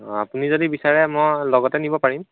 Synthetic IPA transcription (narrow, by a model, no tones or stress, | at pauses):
a̰punizodibisaɹɛmɔjlɔɡɔtɛnibɔpaɹim